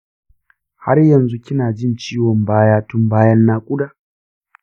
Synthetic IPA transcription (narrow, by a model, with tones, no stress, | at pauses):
ha̰˦rjɐ˨nzu˦kʲɪ˦naː˨d͡ʒɪ˦˨nt͡ʃiː˦wɔ˨mbaː˦jaː˦tʊ˦mbaː˦jɐ˦nːaː˦kʷʼʊ˦daː˨